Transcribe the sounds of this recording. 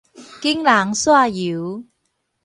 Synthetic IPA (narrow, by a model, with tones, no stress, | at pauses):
kɪ˥ŋlaː˨˩ŋswaː˧jiː˨˦w